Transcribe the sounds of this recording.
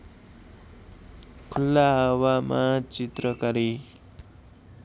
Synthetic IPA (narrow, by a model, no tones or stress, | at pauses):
kʰulːaɦʌwamʔat͡sit̪rʌkʌɾi